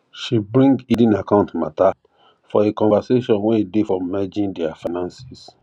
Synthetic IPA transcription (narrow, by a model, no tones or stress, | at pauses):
ʃibɹĩŋɡidĩnakãʊ̃ntma̰ta | fɔekɔ̃vaseʃɔ̃nwɛ̃idefɹɔ̃mmɛd͡ʒĩndɛafanãnsis